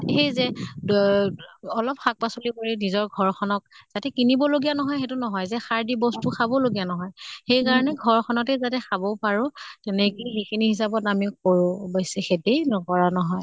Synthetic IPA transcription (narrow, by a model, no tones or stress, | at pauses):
txejzɛ | ɔlɔpxak̚pasolikoɹinizɔɹɡʱɔɹkʰɔnɔk̚z̥atɛkinibɔloɡijanɔɦɔjxetunɔɦɔjzɛxaɹdibɔstuxabɔloɡijanɔɦɔjxejkaɹɔnɛɡʱɔɹkʰɔnɔtɛzatɛxabɔpaɹʊ̃tɛnɛkiɦekʰiniɦisapɔtamik̚oɹʊ̃bɔjsɛxetenɔkɔɹanɔɦɔj